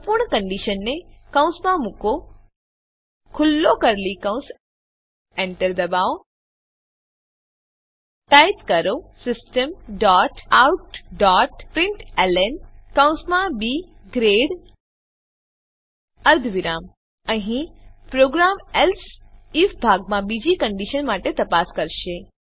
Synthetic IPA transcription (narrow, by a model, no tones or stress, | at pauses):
puɾɳkɐ̃ɳɖiʃənːekɐ̃w̃smãmũko | kʰʊlːokɐɾlikɐ̃w̃s | ẽɳʈəɾd̪ɐbaːo | ʈaɪt̪kɐɾosɪsʈəmɖaːʈaːwʈɖɔʈpɾɪ̃ɳʈelenkəw̃smãbi | ɡɾeɽ | əɾd̪ʱʋiɾam | əɦĩpɾoɡɾamɛlsifbʱaɡ̚mãbid͡ʒikəɳɖiʃənmaʈet̪əpaskəɾʃe